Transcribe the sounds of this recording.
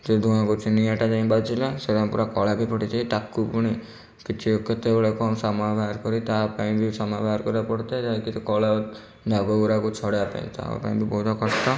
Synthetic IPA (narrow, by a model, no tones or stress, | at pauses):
d͡ʒed̪ʱuãkut͡ʃʰiniaʈad͡ʒaĩbat͡ʃʰilaseɾampuɾakɔɭakipʰɔʈit̪ʰiit̪akːupuɽ̃i | kit͡ʃʰiokːɔt̪ebeɭekɔmsamabʱaɾkɔɾit̪apaĩbisɔmabʱaɾkɔɾapɔɽt̪et̪aikit̪ɔkɔɭa | d̪ʱaɡɔɡuɾakut͡ʃʰɔɽapa̰ḭ̃t̪a̰pa̰ĩbibɔɦut̪ʰɔkɔsʈ̪ɔ